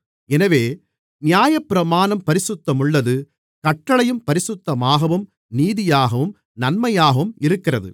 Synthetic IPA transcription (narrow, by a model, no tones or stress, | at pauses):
ɛnɐʋeː | nɪjaːjɐpːɪɾɐmaːnɐmpɐɾɪsʊt̪ːɐmɯɭːɐðɯ | kɐʈːɐɭɐjɯmpɐɾɪsʊt̪ːɐmaːɣɐʋɯm | niːðɪjaːɣɐʋɯm | nɐnmɐjaːɣɐʋɯmɪɾɯkːɪrɐðɯ̰